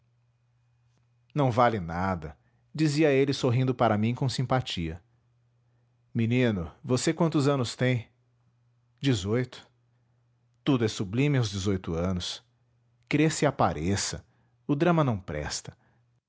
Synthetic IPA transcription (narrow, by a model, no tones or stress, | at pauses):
nɐ̃w̃valɪnad̪ɐ | d͡ʒiziɐelɪsoɦĩnd̪ʊpaɾɐmĩkõw̃sĩmpat͡ʃiɐ̰ | minĩnʊvosekwɐ̃nt̪ʊzɐ̃nʊst̪ẽj̃ | d͡ʒizojt̪ʊ̥ | t̪ud̪ʊɛsublĩmɪawzd͡ʒɪzojt̪ʊɐ̃nʊs | kɾesiapaɾʔesɐ̰ | ʊd̪ɾɐ̃mɐnɐ̃w̃pɾɛ̰st̪ɐ̥